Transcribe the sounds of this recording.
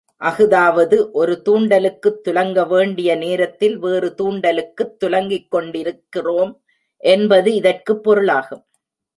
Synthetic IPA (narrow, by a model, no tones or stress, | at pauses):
ʔɐɣɯðaːʋɐðɯʔɔɾɯt̪uːɳɖɐlɯkːɯt̪ːʊlɐŋɡɐʋeːɳɖɪjɐneːɾɐt̪ːɪlʋeːrɯt̪uːɳɖɐlɯkːɯt̪ːʊlɐŋɡɪkːɔɳɖɪɾɯkːɪroːm | ʔɛnbɐðɯɪðɐrkɯpːɔɾɯɭaːɣɯm